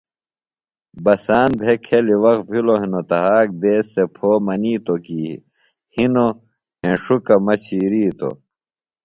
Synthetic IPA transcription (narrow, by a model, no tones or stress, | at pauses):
bɐsaːnbʱekʰeliwɐk̪̚bʱiloɦinot̪ɐɦaːk̚d̪eːsːepʰoːmɐniːt̪okiːḭ | hino | ẽːʂukɐmɐt͡ɕʰiːɾiːt̪o̰